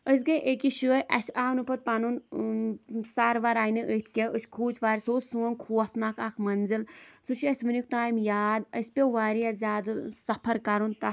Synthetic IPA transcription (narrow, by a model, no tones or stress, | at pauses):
əs̬ɡɐʔekiʃəːjʔɐsaːnɨpɐt̪̚panun | saɾʋaɾaːjnɨʔət̪ʰkʲeʔəsʲkʰuːt͡ʃʰʋaːɾʲsoːsuɐnkʰuːɐt̪nakakʰmɐnzɨlsut͡ʃʰɐsʲʋɨnik̚ʰt̪aːjmjaːd̪əsʲpʲeʋaːɾijazʲaːd̪ɨsɐpʰɐɾkɐɾunt̪ɐ